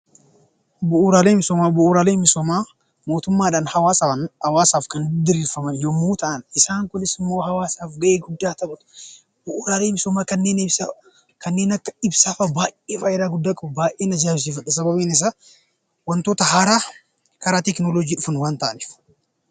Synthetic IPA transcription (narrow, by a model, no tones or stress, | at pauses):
bʊʔːɾaːleːmɪsɔmabʊʔuːɾaːleːmɪsɔmaː | mo̞ːt̪ʊmːaːᶑaːnhɐwaːsɐwaːsaːfkɐnd̪ɪɾiːfɐmɐnjɔmːuːt̪ɐʔɐnɪsaːŋkʊnɪsɪmːo̞ːɦɐwaːsaːfɡɐʔeːɡʊd̪ːaːt̪ɐbɐt̪ʊ̥ | bʊʔuːɾaːleːmɪsɔmaːkɐnːeːnɪbs | kɐnːe̞ːnɐkːɐɪbsaːfɐbaːʔeːfɐːɪɾaːɡʊd̪ːaːkʼɐbɐbaːʔeːnɐd͡ʒaːbɪs̬iːfɐᶑɐsɐbɐbiːnɪs̬a | wɐnt̪oːt̪ɐɦaːɾaː | kɐɾaːt̪ɛknoːlod͡ʒiːᶑʊfɐnwaːnt̪ɐʔɐnif